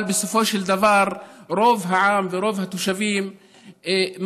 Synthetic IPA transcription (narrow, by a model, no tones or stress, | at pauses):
lbɪsʊfoːʃɪld̪avɑːɾˤɾoːvɦaʕaːmvɪɾoːvhat̪ʊʃaviːm | m